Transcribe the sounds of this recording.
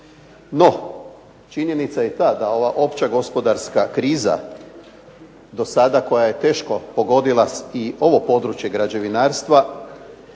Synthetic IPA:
no̞ | t͡ʃiɲe̞nit̪sajet̪aːd̪ao̞ʋaʔo̞pt͡ɕaɡo̞spo̞d̪aɾskakɾiːza̰ | d̪o̞sad̪ako̞jaje̞t̪e̞ːʃko̞po̞ɡo̞d̪ilˠaio̞ʋo̞po̞d̪ɾut͡ɕje̞ɡɾad͡ʑe̞ʋinaːɾst̪ʋa

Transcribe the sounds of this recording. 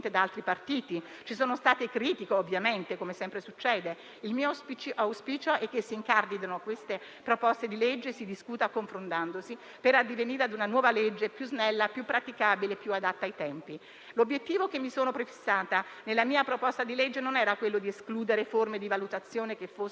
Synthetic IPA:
nt̪ed̪aalt̪ɾipart̪iːt̪i | t͡ʃisoːnost̪aːt̪ekɾiːt̪ikoovːjament̪ekomesɛmpɾesut͡ʃːɛːd̪e | ilmiːopt͡ʃʔawspiːt͡ʃoʔɛkːesːiŋkard̪id̪anokwest̪e | pɾopɔst̪ed̪iled͡ʒːesid̪iskuːt̪akoɱfɾont̪and̪osi | peɾad̪ːiveniːɾead̪unanwɔːvaled͡ʒːepjuznɛlːapjupːɾat̪ikabilepːjuad̪at̪ːaːjt̪ɛmpi | lobːjet̪ːiːvokemːisoːnopɾefi̥sːaːt̪anelːamiːapɾopɔst̪ad̪iled͡ʒːenonɛːɾakwelːod̪ieskluːd̪eɾeformed̪ivalut̪at̪sːjoːnek̟efo

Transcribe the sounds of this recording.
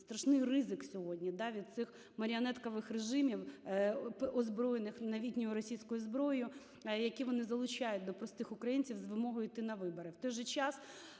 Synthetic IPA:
st̪ɾɐʃnɪjrɪzɪksʲɔɦɔdʲnʲid̪ɑʋʲid̪̚t̪sɪx | mɐɾʲɪɐnɛt̪kɐʋɪxreʒɪmʲiw | pʔɔzbɾɔjenɪxnɐʋʲitʲnʲɔjʊɾɔsʲijsʲkʊjʊzbɾɔjʊ | jɐkʲiʋɔnɪzɐlˠʊt͡ʃajʊt̚ʲd̪ɔpɾɔst̪ɪxʊkɾɐjinʲt͡sʲiwzʋɪmɔɦɔjʊjt̪ɪnɐʋɪbɔɾɪwt̪ɔjʒɛt͡ʃɑs

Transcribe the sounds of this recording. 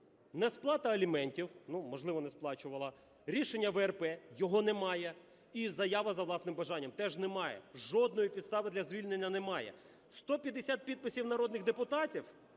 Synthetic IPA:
nɛsplˠɑt̪ɐɐlʲimɛnʲtʲiwnumɔʒlˠɪʋɔnɛsplˠɑt͡ʃʊʋɐlˠɐ | ɾʲiʃenʲːɐʋɛɛrpɛjɔɦɔnɛmɑjɛ | izɐjaʋɐzɐʋwlˠɑsnɪmbɐʒɑnʲːɐmt̪ɛʒnɛmɑjɛ̰ʒɔd̪nɔjipʲid̪st̪ɑʋɪd̪lʲɐzʲʋʲilʲne̞nʲːɐnɛmɑjɛ̰ | st̪ɔpʲjɐd̪ːesʲat̪̚pʲid̪̚pɪsʲiwnɐɾɔd̪nɪxd̪epʊt̪ɑtʲiw

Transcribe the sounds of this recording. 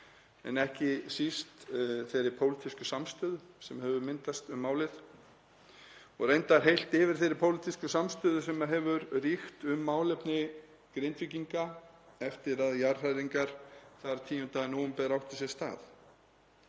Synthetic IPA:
ɛ̰nɛhcɪsist̪θejɾɪpʰowlit̪ʰiskʏsamst̪ʏːðʏsɛmhɦɛvʏɾmɪnt̪ast̪ʏmːaːwlɪð | ɔɣrejnt̪aɾ̥ɦejl̥t̪ɪvɪɾ̥θejɾɪɾpʰowlit̪ʰiskʏsamst̪ʏːðʏsɛmaðɦɛvʏɾrixt̪ʏmːaːwlɛpnɪ | kɾejnt̪viciŋkaɛft̪ɪɾaðjar̥rajðiŋkaɾ̥θaɾt̪ʰiːjʏnt̪aːɣɪnowʏmpɛðɾawht̪ɪsɛst̪a̰ːθ

